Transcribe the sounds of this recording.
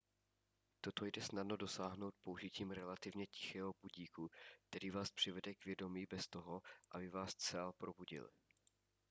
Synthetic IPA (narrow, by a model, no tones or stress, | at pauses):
t̪o̞t̪o̞jdɛsnadno̞do̞saːɦno̞wt̪̚pouʒɪciːmɾɛlat̪ɪvɲɛcɪ̥xɛːɦo̞buɟiːkuk̚t̪ɛɾiːvaːspr̝̥ɪvɛdɛkvjɛdo̞miːbɛst̪o̞ɦoʔabɪvaːst͡sɛlpɾo̞buɟɪ̰l